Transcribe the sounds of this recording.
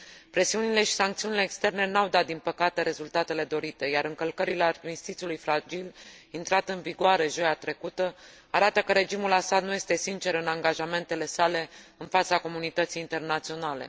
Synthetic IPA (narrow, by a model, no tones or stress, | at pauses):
pɾe̞siunile̞ʃi̥saŋkt̪siunileːkst̪e̞rne̞nawd̪at̪̚d̪inpəkat̪e̞ɾe̞zult̪at̪e̞le̞d̪o̞ɾit̪e̞jaɾɨŋkəlkəɾileamist̪it̪siulujfɾad͡ʒil | int̪ɾat̪ɨnviɡoaɾe̞ʒo̞jat̪ɾe̞kut̪ə | aɾat̪əkəɾe̞d͡ʒimulasad̪nujest̪e̞sint͡ʃe̞ɾɨnaŋɡaʒame̞nt̪e̞le̞sale̞ɨnfat̪sako̞munit̪ət̪sijːnt̪e̞rnat̪sio̞nale̞̰